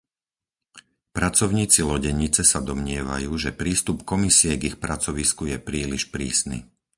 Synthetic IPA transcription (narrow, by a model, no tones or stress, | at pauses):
pɾat͡sɔʊɲiːt͡silɔɟɛɲit͡sɛsad̪ɔmɲɪɛʋa̰juːʒɛpɾiːst̪upkɔmisiɛɡixpɾat͡sɔʋiskujɛpɾiːliʃpɾḭːsnḭ